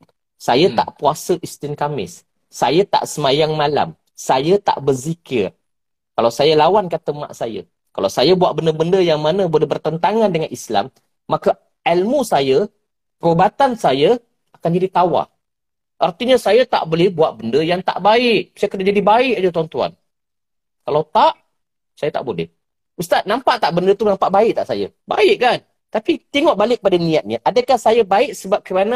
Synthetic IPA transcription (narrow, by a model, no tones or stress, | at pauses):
sajat̪a̰ʔpuasəʔist̪ɪnkamɪ̰sː | ajat̪a̰ʔsəmajaŋmala̰m | sajat̪a̰ʔbərzikɪr | kalawsajalawankat̪əma̰ʔsaja̰ | kalawsajabuaʔbəndəbəndəjaŋmanə̃bolɛɦbərt̪ənt̪aŋandəŋanisla̰mː | aka | ɛlmusajə | pəɾobat̪ansaja | akand͡ʒadit̪awa̰ | ʔart̪iɲasajat̪a̰ʔbolɛhbuat̪̚bəndəjaŋt̪a̰ʔbaɪʔsajakənad͡ʒadibaɪkad͡ʒət̪uant̪ua̰n | kalawt̪aʔ | sajat̪a̰ʔbolɛ̰h | ust̪at̪̚nampaʔt̪aʔbəndət̪unampaʔbaɪʔ̚t̪aʔsa̰ja̰ | ba̰ɪʔkan | t̪apit̪iŋɔʔbalɪk̚padanĩjat̪̚ɲəʔadəkahsajabaɪʔsəbap̚kəɾanã